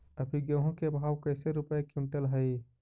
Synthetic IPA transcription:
ɐpʰiɡəɦõkebʱaːwkəːseɾʊpəekũnʈəlɦəi

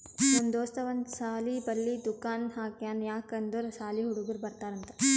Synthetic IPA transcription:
ond̪oːst̪ɐʋɐnd̪saːlibɐlːid̪ukaːnɦaːkjaːnjaːkɐnd̪uɾsaːliɦuɽuɡuɾbɐɾt̪aːɾɐnt̪ɐ

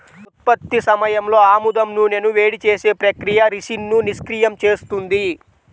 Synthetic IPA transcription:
ut̪̚pɐt̪ːisɐmɐjɐmlo̞ːaːmud̪ɐmnune̞ːnuʋe̞ːɽit͡ʃeːse̞ːpɾɐkɾijɐɾiʂinːuniskɾijɐmt͡ʃe̞ːst̪und̪i

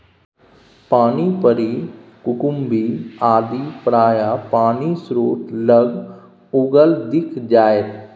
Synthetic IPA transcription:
paːniːpəɾiːkʊkʊmbʱiːaːd̪iːpəɽaːjaːpaːniːsɾoːt̪ləɡ | ʊɡəld̪ɪkʰd͡ʒaːet̪

